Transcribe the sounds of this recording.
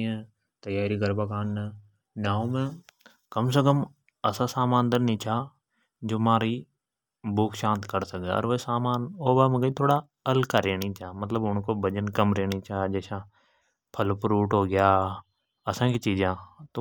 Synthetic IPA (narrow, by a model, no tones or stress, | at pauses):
ẽ | t̪əjaːɾikəɾbakaːnːe | naːõmẽ | kɐms̬ekəm | ɐsasaːmãːnd̪əɾnĩt͡ʃʰaː | d͡ʒoːmaːɾi | bʊːkʰʃãːnt̪kəɾsəkd̪ḛɔ̰ːɾʋesaːmaːnoːbamẽɡəit̪ʰoːɽa | əlkaɾeːnit͡ʃaːmɐt̪ləbʊnkobəd͡ʒənkəmɾeːnit͡ʃaːd͡ʒɛːʃã | pʰəlpɾuːʈɦoːɡɪjaː | ɐsãːkit͡ʃiːd͡ʒãːt̪o